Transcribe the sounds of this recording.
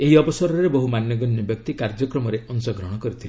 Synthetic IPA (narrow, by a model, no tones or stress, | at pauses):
eɦiɔbɔsɔɾɔɾebɔɦumanjɔɡɔnjɔbjɔk̚t̪ikaɾd͡ʒɔkɾɔmɔɾeʔɔnsɔɡɾɔɽ̃ɔkɔɾit̪ʰile